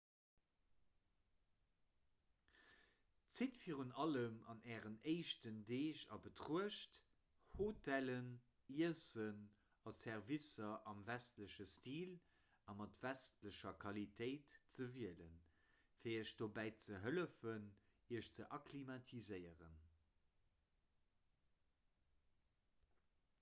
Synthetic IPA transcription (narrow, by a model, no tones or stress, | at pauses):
t͡sitfiːʁunɑləmɑ̰nɛːʁənəɪʃtəndeːʃɑ̰bətʁuəʃt | hotʰælən | iəsən | ɑsɛʁvisɐʔɑmvæstləɕəstiːl | ɑmɑtvæstləɕɐkʰɑlitʰəɪtt͡səviələn | fiːɐəʃd̥obæɪt͡səɦələfəniəʃt͡səʔɑkʰlimɑtʰizəɪəʁə̰n